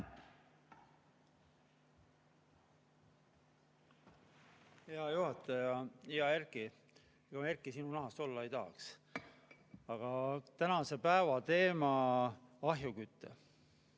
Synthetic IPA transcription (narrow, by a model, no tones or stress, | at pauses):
heɑjuɦɑt̪ːˑɑjɑiɑerki | eɡ̥ɑerkːˑisinunɑɦɑst̪o̞lːɑe̞jt̪ɑɦːks | ɑɡ̥ɑt̪ænɑse̞pæevɑt̪e̞ːmɑ | ɑɦjukyt̪ːḛ